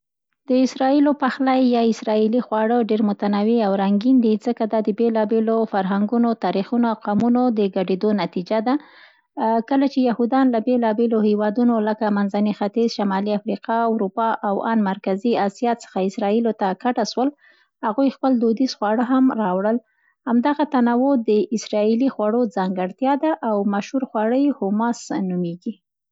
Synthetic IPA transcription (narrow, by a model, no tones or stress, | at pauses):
d̪̥əɪsɾɑilopaxlajːɑɪsɾɑilixwɑɽəɖeɾmʊt̪anawiawɾaŋɡind̪izəkad̪ɑd̪əbelɑbelofaɾɦaŋɡunot̪ɑɾixunoaqɑmunod̪əɡaɖed̪onat̪id͡ʒad̪a | kəlat͡ʃejahud̪ɑnlabelɑbelohewɑd̪unoləkamanzanixat̪izʃamɑliafɾiqɑwɾupɑʔawanmaɾkaziasijɑt͡sə̥xaɪsɾɑilot̪akaʈaʃwəl | haɣujxpəld̪od̪isxwɑɽəɦamɾɑwɽəl | hamd̪aɣat̪anawod̪əɪsɾɑilixwaɽod͡zɑŋɡəɽt̪jɑd̪aʔawmaʃhuɾxwɑɽəjhʊmɑsnumeɡi